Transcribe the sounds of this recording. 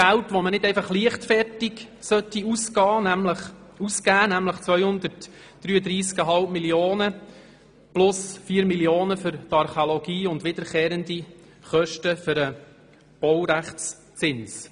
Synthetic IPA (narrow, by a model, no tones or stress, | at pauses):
ɡæltʋomənɪd̥̪ɛɪfɑχliəχtfɛrtiɡsœt̪ːiuskɑːnæmləχ | uskæːnæmləχt͡sʋœʏhʊnd̪əɾt | d̥ɾyːəd̪ɾiːskəɦɑlp̚miljoːnə | plʊsfiːɾmiljoːnəfʏɾtɑɾχolɔɡ̥iːʊndʋɪd̥̪əɾkɛːɾənd̪i | χœʃtəfʏɾə | b̥ɔwɾæχt͡s | t͡sɪns